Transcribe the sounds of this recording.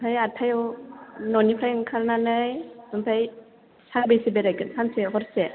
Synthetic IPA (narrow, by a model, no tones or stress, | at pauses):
pʰajatʰajɔwnɔnipʰɾajnkʰaɾnanɯjnɯmpʰaj | saŋbejsibeɾajɡɯnsʰanseɦɔɾse